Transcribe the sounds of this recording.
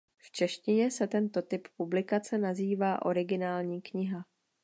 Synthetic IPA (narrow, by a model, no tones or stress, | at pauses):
ft͡ʃɛʃcɪɲɛsɛt̪ɛnt̪o̞t̪ɪppublɪkat͡sɛnaziːvaːʔo̞̰ɾɪɡɪnaːlɲiːkɲɪɦa